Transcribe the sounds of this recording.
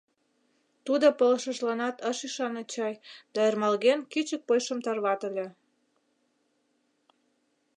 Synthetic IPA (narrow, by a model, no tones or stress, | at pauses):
t̪ud̪opoləʃəʒlɑnɑt̪əʃiʃɑnɑt͡ɕɑjd̪̥ɑermɑlɣenkit͡ɕək̚pojʃəmt̪ɑrβɑt̪ə̆lʲe